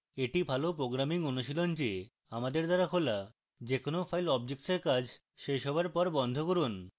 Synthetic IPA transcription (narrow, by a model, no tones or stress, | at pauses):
eʈibʱalopɾoɡɾamiŋonuʃilond͡ʑe | amad̪eɾd̪aɾakola | d͡ʑekonofʰajlɔbd͡ʑek̚seɾkad͡ʑʱ | ʃejʃɔbʱaɾpɔɾbɔnd̪ʱokoɾun